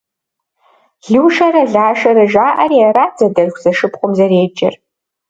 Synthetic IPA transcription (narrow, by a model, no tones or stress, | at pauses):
ɮɨwʃɐɾɐɮaːʂɐɾɐʒaːʔɐɾiɛɾaːd͡zɐdɐrxʷz̥ɐʂɨpχʷʊmzɐɾeːd͡ʒɐ̰r